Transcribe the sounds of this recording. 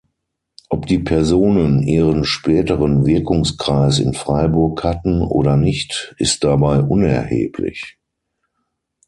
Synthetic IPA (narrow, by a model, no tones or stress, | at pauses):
ʔɔpd̥iːpʰɛɐzoːnənʔiːʁ̞ənʃpɛːtəʁənvɪɐkʊŋskʁ̥aɪsɪ̰nfʁ̥aɪbʊɐkhatn̩o̰ːɾɐnɪçtʔɪst̚d̥abaɪʔʊnɛ̰ɐhḛːpʰlɪ̰ç